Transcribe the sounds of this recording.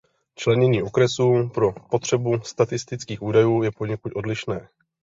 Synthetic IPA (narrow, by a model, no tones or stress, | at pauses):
t͡ʃlɛɲɛɲiːʔo̞kɾɛsuːpɾo̞po̞t̪r̝̥ɛbust̪at̪ɪst̪ɪt͡skiːxuːdajuːjɛpo̞ɲɛkut̪ʔo̞dlɪʃnɛː